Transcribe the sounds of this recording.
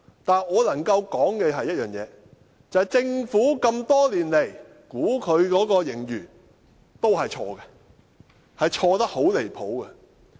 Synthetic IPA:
t̪aː˨nɔː˨˧lɐ˨˩ŋkɐ˧wkɔː˨˥ŋkɛː˧ɦɐ˨jːɐ˥t̚jœː˨˩ŋjɛ̰ː˨˧ | t͡sɐ˨jt͡sɪ˧ŋfuː˨˥kɐ˧mt̪ɔː˥liː˨˩nle˨˩j | kuː˨˥kʰɵ˨˧ɥkɔː˨˥kɔː˧jɪ˨˩ŋjyː˨˩ | t̪o˥whɐ˨jt͡ʃʰɔː˧ɡɛ˧ | hɐ˨jt͡ʃʰɔː˧t̪ɐ˥k̚ho˨˥wle˨˩jpʰo˨˥wkɛ˧

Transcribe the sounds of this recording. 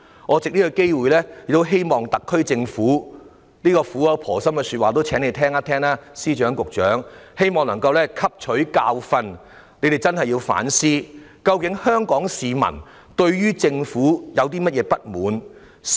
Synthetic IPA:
ŋɔː˨˧t͡sɪ˨k̚ni˥kːɵ˧ke˥jwuː˨jlɛː˥˨˩k̚t̪o˥wɦe˥jmɔː˨˩ŋt̪ɐ˨kʰːɵ˥ɥt͡sɪ˧ŋfuː˨˥ | niː˥kɔː˧fuː˨˥jɐ˨˧wpʰɔː˨˩sɐ˥mkɛ˧syː˧t̚waː˨t̪o˥wt͡ʃʰɛː˨˥ne˧jt̪ʰɛː˥ŋaː˥t̪ʰɛː˥ŋlaː˥siː˥t͡ʃœː˨˥ŋkʊ˨k̚t͡ʃœː˨˥ŋhe˥jmɔː˨˩ŋlɐ˨˩ŋkɐ˧wlɛː˥kʰɐ˥p̚t͡ʃʰɵ˨˥ɥkaː˧wfɐ˧n | le˨˧jt̪e˨jt͡sɐ˥nhɐ˨jːiː˧wfa̰ː˨˥nsiː˥kɐ˧wkɪ˨˥ŋhœː˥ŋkɔː˨˥ŋsiː˨mɐ̰˨˩n | t̪ɵ˧ɥjyː˥t͡sɪ˧ŋfuː˨˥jɐ˨˧wt̪iː˥mɐ˥t̚jɛː˨˧pɐ˥t̚muː˨˥n

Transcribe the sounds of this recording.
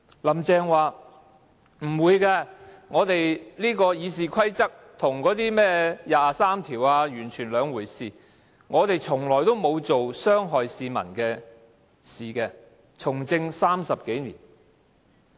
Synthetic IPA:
lɐ˨˩mt͡sɛː˧ŋwaː˨ | m̩˨˩wuː˨˧jkɛː˧ŋɔː˨˧t̪e˨jliː˥kɔː˧jiː˨˧siː˨kʷʰɐ˥jt͡sɐ˥k̚t̪ʰʊ˨˩ŋkɔː˨˥t̪iː˥mɛː˥jaː˨saː˥mt̪ʰiː˨˩waː˧jyː˨˩nt͡ʃʰyː˨˩nlœː˨˧ŋwuː˨˩jsiː˨ | ŋɔː˨˧t̪e˨jt͡sʰʊ˨˩ŋlɔː˨˩jt̪o˥wmo˨˧wt͡so˨wsœː˥ŋɦɔː˨jsiː˧mɐ̰˨˩nkɛː˧ | siː˨kɛː˧ | t͡sʰʊ˨˩ŋt͡sɪ˧ŋsaː˥msɐ˨p̚ke˨˥jnḭː˨˩n

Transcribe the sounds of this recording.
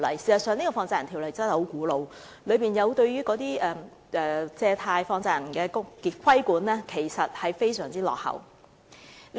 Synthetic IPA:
lɐ˨˩jsi˨˩sɐ˨˩sœː˨˧ŋniː˥kɔ˧fɔː˧ŋt͡saː˧jt̪ʰi˨˩lɐ˨˩jt͡sːnhho˨˥wkuː˨˥lo˨˧w | lɵ˨˧piː˨˩njɐ˨˧wt̪ɵ˧ɥyː˥kɔː˨˥t̪iː˥ɛː˨ | ʔɛː˨t͡sɛː˧t̪ʰaː˧jfɔː˧ŋt͡saː˧˨jnkɛː˧kŋkiː˨˩kʰɐ˥jkuː˨˥nlɛː˥kʰe˨˩jsɐ˨t̚hɐ˨jfe˥jsœː˨˩ŋt͡siː˥lɔ̰ː˨k̚hɐ̰˨˩w

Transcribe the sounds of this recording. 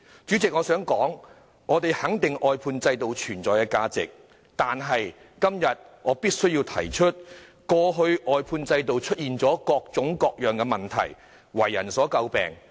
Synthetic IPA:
t͡ʃyː˨˥t͡sɪ˨k̚ŋɔː˨˧sœː˨˥ŋkɔː˨˥ŋ | ŋɔː˨˧t̪e˨˩jhɐ˨˥ŋt̪ɪ˨ŋʔɔː˨jpʰuː˧nt͡sɐ˧jt̪o˨wt͡ʃʰyː˨˩nt͡sɔː˨jkɛː˧kaː˧t͡sɪ̰˨k̚ | t̪aː˨nɦɐ˨j | kɐ˥mjɐ˨t̚ŋʔɔː˨˧piː˥t̚sɵ˥ɥjiː˧wt̪ʰɐ˨˩jt͡ʃʰɵ˥t̚kɔː˧ɦɵ˧ɥʔɔː˨jpʰuː˧nt͡sɐ˧jt̪o˨wt͡ʃʰɵ˥t̚jiː˨˩nt͡sɔː˨˥kɔː˧k̚t͡sʊ˨˥ŋkɔː˧k̚jœː˨˩ŋkɛ˧mɐ˨nt̪ʰɐ̰˨˩j | wɐ˨˩jːɐ˨˩nsɔː˨˥kɐ˧wpɛ̰ː˨ŋ

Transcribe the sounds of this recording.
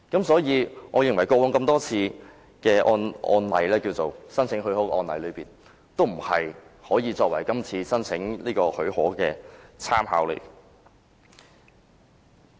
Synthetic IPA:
kɐ˨˥msɔː˨˥jiː˨˧ŋɔː˨˧jɪ˨ŋwɐ˨˩jkɔː˧wɔː˨˥ŋkɐ˧mt̪ɔː˥t͡sʰiː˧ | kɛː˧ʔɔː˧nɔ̰ː˧nlɐ˨˧jlɛː˥kiː˧wt͡so˨wsɐ˥nt͡sʰɪ˨˥ŋɦɵ˨˥hɔː˨˥kɛ˧ʔɔː˧nlɐ̰˨˥jlɵ˨˧ɥpiː˨n | t̪o˥wm̩˨˩hɐ˨jhɔː˨˥jiː˨˧t͡sɔː˧k̚wɐ˨˩jkɐ˥mt͡sʰiː˧sɐ˥nt͡sʰɪ˨˥ŋliː˥kɔː˧hɵ˨˥hɔː˨˥kɛː˧t͡sʰaː˥mha̰ː˨˥wlḛ˨˩

